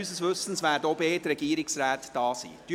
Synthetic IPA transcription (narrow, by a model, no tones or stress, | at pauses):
yːsəsʋɵsən̩sʋæːɾdobeːtrɛɡiːɾɪksræːt̪d̥ɑːsḭːd̥y